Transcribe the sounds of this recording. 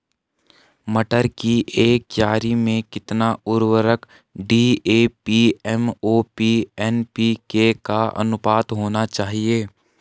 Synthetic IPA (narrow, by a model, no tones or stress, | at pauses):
məʈəɾkiʔeːkjaːɾimẽkɪt̪naʊɾwəɾək | ɖiːeːpiɛmoːpiɛnpikekaɐ̰nʊpaːt̪ɦoːnat͡ʃaːɦieː